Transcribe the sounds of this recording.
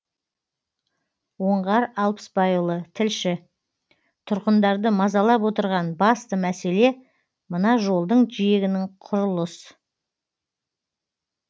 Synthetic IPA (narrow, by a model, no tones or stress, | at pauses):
wo̞ɴʁɑɾɑlˠpə̥sbɑjəlˠət̪ʰɪlʃɪ | t̪ʰʊɾqənd̪ɑɾd̪əmɑzɑlˠɑpwo̞t̪əɾʁɑnbɑst̪əmæse̞le̞ | mənɑʒo̞lˠd̪əɴʒijeɡʲɪnɪŋqʰʊɾʊlˠəs